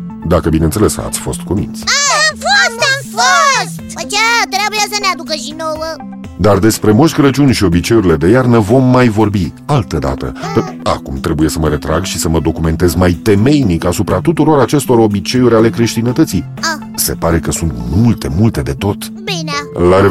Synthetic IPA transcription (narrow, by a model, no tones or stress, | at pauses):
d̪akəbinent̪se̞le̞sa̰t̪sʲfo̞st̪kumḭnt̪sʲfoamfost̪kat̪ɾeabujasənead̪ukədinowə | d̪ard̪e̞spɾe̞moʃʲkəɾət͡ʃunʲʃio̞bit͡ʃe̞juɾile̞d̪e̞jarnəvo̞mːajvo̞rbialt̪əd̪a̰t̪ə̰əa̰kumt̪ɾe̞buje̞səməɾe̞t̪ɾa̰ɡʃisəməd̪o̞kume̞nt̪e̞zmajt̪e̞me̞jnikasupɾat̪ut̪uɾo̞ɾat͡ʃe̞st̪o̞ɾo̞bit͡ʃe̞uɾʲale̞kɾe̞ʃt̪inət̪ət̪si | se̞paɾe̞kəsunt̪mult̪e̞mult̪e̞d̪e̞t̪o̞t̪ | binalaɾe